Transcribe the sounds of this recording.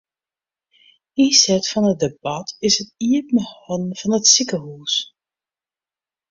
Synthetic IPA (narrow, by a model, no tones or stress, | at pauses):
isɛtfɑnət̚debɑtɪsətiəpməhɔnv̥ɑnətsikəhus